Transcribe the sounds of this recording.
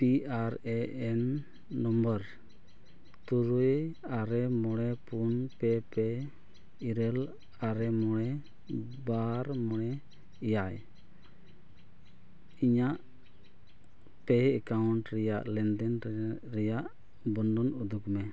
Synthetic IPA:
piaɾɛɛnː | ɔmbəɾ | t̪uɾujaɾɛmɔɽɛpunpɛpɛ | iɾɛl | aɾɛmɔɽ̃ɛ | baɾmɔɽɛ | ijaj | iɲaʔ | pɛɛkawɳʈɾɛjaʔlɛnd̪ɛn | ɾɛjaʔ | bɔndɔnud̪ukmɛ

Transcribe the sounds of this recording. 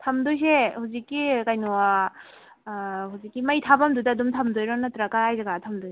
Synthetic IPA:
tʰamdujs̬ehuzikːikajnɔwa | huzikːimajtʰamamdudadumtʰamdɔjɾɔnatɾaɡaːjzaɡatʰamdɔj

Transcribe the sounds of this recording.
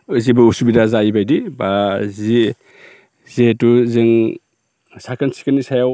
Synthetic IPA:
ɯzibɯusubidazaibajdibazi | zetuzeŋ | sakansi̥kanisajaw

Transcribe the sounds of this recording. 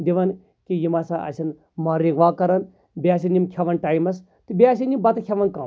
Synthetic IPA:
d̪ʲiʋɐn | kijimasaʔɐ̰sɐn | maːɾiɡʋaːkɐɾɐn | beas̬inimkʰʲaʋɐnʈaːjmɐs | t̪ɨbeas̬inimbɐt̪kʲʰjaʋɐnkaː

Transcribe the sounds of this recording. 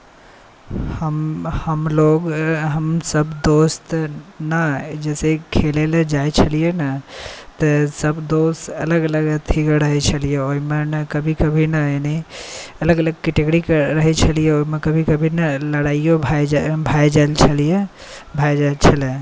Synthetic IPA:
həmhəmloɡɦəmsəbd̪ost̪nəd͡ʒɛsekʰeleled͡ʒajt͡ʃʰəlijenət̪əsəbd̪ost̪ələɡələɡt̪ʰikəɾəɦɛt͡ʃʰəlijeoɦimenəkəbʱikəbʱinəeniələɡələɡ̚kɛʈeɡɾikəɾəɦɛt͡ʃʰəlijeoimekəbʱikəbʱinələɽaijobʱabʱajd͡ʒaelt͡ʃʰəlije | bʱajd͡ʒat͡ʃʰəle

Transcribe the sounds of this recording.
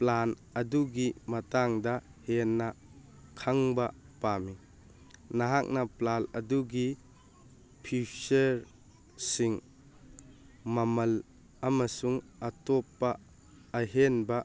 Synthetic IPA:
plan | ɐduɡimɐtaŋdɐhenːɐ | kʰaŋbɐ | pami | nɐɦak̚nɐplalɐduɡi | pʰisɐɾ | siŋ | mɐmɐl | ɐmɐsuŋɐtɔpːɐː | ɦenbɐ

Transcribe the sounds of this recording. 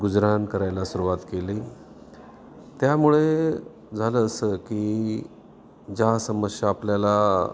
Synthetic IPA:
ɡud͡zɾankəɾajlasuɾuʋat̪keliː | t̪jamuɭe | d͡zʱaləːsəkiː | d͡ʑasəməsjaːpljala

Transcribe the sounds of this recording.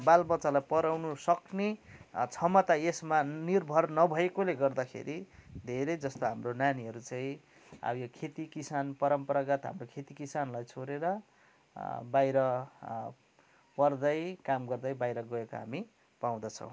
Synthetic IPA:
balbʌt͡sːalajpʌɾawnusʌknet͡sʰʌmʌt̪aesmanirbʱʌrnʌbʱʌekoleɡʌrd̪akʰḛɾid̪ʱeɾʌjd͡zʌst̪oɦamronaniɦʌɾut͡saĩ | a̰jokʰet̪ikisanpʌɾʌmpʌɾaɡʌt̪ɦa̰mrokʰet̪ikisanlajt͡sʰoɾeɾʌ | bajɾʌ | pʌrd̪ʌjkamɡʌrd̪ʌjbajɾʌɡʌekoɦa̰mi | paw̃d̪ʌt͡sʰʌ̰̃w̃

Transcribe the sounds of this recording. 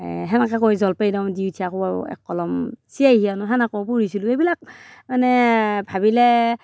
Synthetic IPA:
ɦɛnakakɔjzɔlpajdawdiutʰiakɔaɛ̰kːɔlɔmsijajhianʊɦanakɔwp̬uɹisiluejbilak̚manɛbʱabilɛ

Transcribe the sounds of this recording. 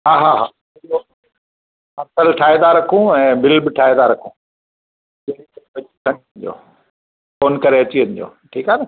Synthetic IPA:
ɦaːɦaːɦa̰ː | io | ɐsəlʈʰaːɦed̪aɾɐkʰũɛ̃ːbɪlbɪʈʰaːɦed̪aɾɐkʰũː | belikɐbɐikʰɐ̃niʋɐnd͡ʑo̰ː | foːnkɐɾeɐt͡ɕiʋɐ̃ɲd͡ʑo̰ːʈʰiːkaːne

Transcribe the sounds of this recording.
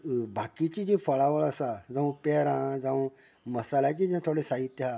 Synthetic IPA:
bʱakit͡ɕid͡ʑĩfəɭaʋəɭəsad͡zãʋũpeɾãd͡zãʋũ | məsalat͡ɕid͡ʑãt̪ʰoɽesaɦit̪ːjɦa

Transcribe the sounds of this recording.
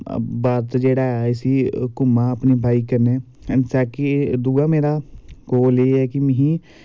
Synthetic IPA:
baːɾt̪d͡ʒeːɽaːɛɪsiːkʊmãːəpniːbʱaːiːkəɾneː | ənsɛːkɪd̪uːaːmeːɾaːkoːleːɛːkɪmɛ̃ɦĩː

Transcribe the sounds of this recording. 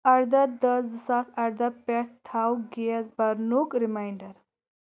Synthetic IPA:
ɐɾd̪ɐt̪d̪ɐzɨsaːsɐɾd̪ɐpɛɽt̪ʰawɡeɐzbɐɾnuːkɾimaːjɳɖɐɾ

